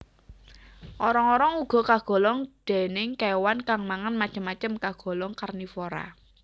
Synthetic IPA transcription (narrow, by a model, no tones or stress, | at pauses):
ʔɔɾɔŋɔɾɔŋuɡ̥ɔ̤kaɡ̥ɔ̤lɔŋd̪̥e̤nɪŋkewankaŋmaŋənmat͡ʃəmːat͡ʃəmkaɡ̥ɔ̤lɔŋkarnifoɾa̰